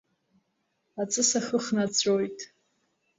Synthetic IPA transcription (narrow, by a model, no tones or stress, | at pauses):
at͡sʼɨsaχəχnat͡sʷʰʼojtʼ